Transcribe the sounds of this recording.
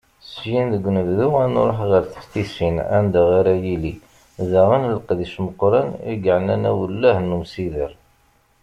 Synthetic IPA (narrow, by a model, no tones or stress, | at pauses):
sjinðəɡʷːnəvðuæno̰ɾˤoħʁəɾθə̥ft̪isinæ̰nd̪aʁaɾajili | ðaʁənləqðiʃməqːɾˤɑnḭɡʕnænæwəlːæhnːumsiðəɾ